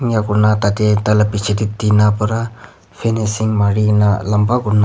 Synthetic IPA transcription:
ŋjakunat̪ad̪et̪alapit͡ʃʰedit̪ːinapaɾa | pʰenesiŋmaɾinalambaɡuna

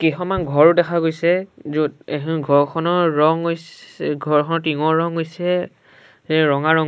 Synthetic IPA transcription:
kiɦɔmanɡʱɔɹʊdɛkʰaɡojsɛzuɡʱɔɹkʰɔnɔɹɔŋojɡʱɔɹkʰɔnɔtiŋɔɹɔŋɦojsɛ | zɛɹɔŋaɹɔŋ

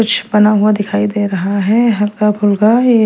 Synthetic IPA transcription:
ʊt͡ʃʰbɐnaɦʊad̪ɪkʰaːid̪eːɾɐɦaɦɛɦɐlkabʱʊlɡaje

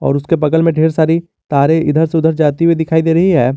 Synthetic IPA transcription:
ɔ̰ːɾʊskepɐɡəlmẽɖʱeːɾsaːɾi | t̪aːɾeʔɪd̪ʱəɾseʊd̪ʱəɾd͡ʒaːt̪iued̪ɪkʰaːid̪eːɾɐɦiɦɛː

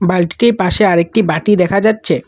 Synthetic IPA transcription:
balʈʈiɾpaʃeaɾek̚ʈibaʈid̪ɛkʰad͡ʑatːɕʰe

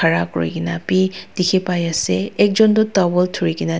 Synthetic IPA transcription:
aɾakɔ̰ɹḭkinapid̥ikʰipajaseɛk̚zɔndutabɔltʰuɹiɡina

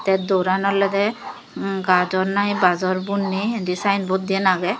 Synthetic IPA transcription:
t̪ɛdoɾanɔlɔdɛ | ɡadɔɹnajbazɔɹbunːidisajnbot̚d̪iɛnaɡɛ

